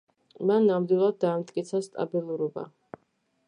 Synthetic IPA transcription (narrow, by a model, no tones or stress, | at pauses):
manːamd̪wilˠad̪̚ːaːmt̪ʼkʼit̪sʰast̪ʼa̰bilˠuɾɔba̰